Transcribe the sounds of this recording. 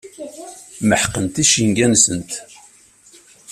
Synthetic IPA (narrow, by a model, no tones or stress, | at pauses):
məħqːənt̪iʃiŋɡænsənt̪